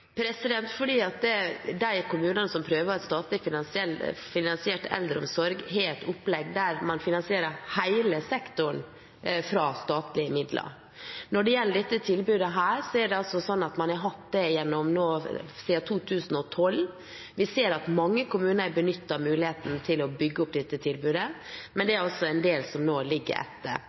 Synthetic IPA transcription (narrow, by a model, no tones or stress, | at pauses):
pʰɾɛsɪd̪ɛnt̪fɔɖiːɑt̪d̪ɛd̪æɪkʊmʉːnənəsɔmpʰɾøːʋəɾɛt̪st̪ɑːt̪lɪfɪnɑnsɛlfɪnɑnsɪɛʈʰɛ̰ld̪ɾəʊ̰msɔɾɡɦɛɾɛt̪ʰʊpːlɛɡd̪æɾmɑnfɪnɑnsɪeːɾəhæɪləsɛkt̪ʊɳ | fɾɑːst̪ɑːt̪lɪəmɪd̪lʔɑ̰ | nɔɖɛjɛlːəɖɛt̪ːət̪ʰɪlbʉːd̪əɦæːɾsɔæɖɛɑlsɔsɔnːɑt̪mɑnæɾɦɑt̪d̪ɛjɛnːɔmnoːsiːɑt̪ʰuːt̪ʰʉːsn̩ɔt̪ʰɔlː | ʋɪseːɾɑt̪mɑŋːəkʰʊmʉːnəɾbənʏt̪ːɑmʉːlɪheːt̪n̩t̪ʰɪlɔbʏɡːəʊp̚d̪ɛt̪ːət̪ʰɪlbʉːd̪ə | mɛnd̪ɛæɾɔsːɔɛnd̪eːlsɔmnoːlɪɡːə̰ɾɛ̰t̪ːə̰ɾ